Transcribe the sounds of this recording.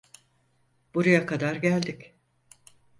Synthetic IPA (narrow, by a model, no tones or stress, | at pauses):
b̥uɾajakʰad̪aɾɟælʲd̪ɪc